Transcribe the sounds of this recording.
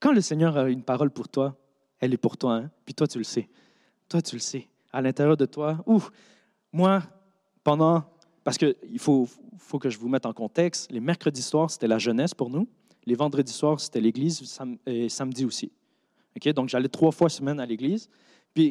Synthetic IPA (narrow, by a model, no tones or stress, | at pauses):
kɑ̃ləsɛɲœːʁaynpaʁɔlpuʁt̪wa | ɛlɛpuʁt̪waɛ̃pɥit̪wat̪yləsɛ | t̪wat̪yləsɛ | alɛ̃t̪eʁjœːʁd̪ət̪wau | mwa | pɑ̃d̪ɑ̃ | paʁ̥sə̥kəilfofokəʒəvumɛt̪ɑ̃kɔ̃t̪ɛkst̪lemɛʁkχəd̪iswaːʁse̥t̪ɛlaʒənɛspuʁnu | levɑ̃d̪ʁəd̪iswaːʁse̥t̪ɛleɡlizsamesamd̪iosi | ɔkʲed̪ɔ̃kʒalɛt̪χwafwasəmɛnaleɡliːz | pɥi